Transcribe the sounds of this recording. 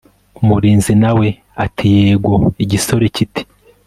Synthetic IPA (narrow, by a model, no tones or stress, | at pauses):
umuɾiːnzinawe̞ | atʰijeːɡoiɟiso̞ɾe̞citi̥